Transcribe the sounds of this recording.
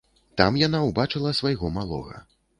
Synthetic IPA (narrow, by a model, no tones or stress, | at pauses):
t̪amjanawbat͡ʂɨlˠɐsvajɣɔmalˠɔ̰ɣɐ̰